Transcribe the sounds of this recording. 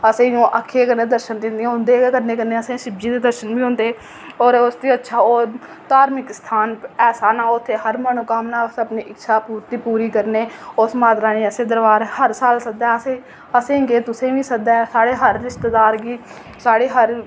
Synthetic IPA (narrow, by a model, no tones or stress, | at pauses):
əsẽːjõːʔəkʰːeːkəɾneːd̪əɾʃənd̪ɪ̃nd̪ĩʊ̃nd̪eːkəɾneːkəɾneːəsẽːʃɪb̚d͡ʒiːd̪eːd̪əɾʃənbiːõːnd̪eː | oːɾʊsd̪iːətːʃʰaːoːɾ | t̪aːɾmɪkst̪ʰaːnɛːsaːnãːʊt̪ʰːeːɦəɾmənũːkəmnaːsəpniːʔɪkːʃʰaːpuːɾt̪iːpuːɾiːkəɾneːʊsmaːt̪ɾaːnĩːəsẽːd̪əɾbaːɾhəɾsaːlsək̚d̪ɛːəsẽː | əsẽːɡeːt̪ʊsẽːʋĩːsəkd̪ɛːsaːɽeːɦəɾːɪʃt̪ed̪aːɾɡiː | saːɽeːɦəɾ